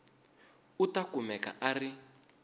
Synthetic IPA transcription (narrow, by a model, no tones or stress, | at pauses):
utakumɛka̰ʔari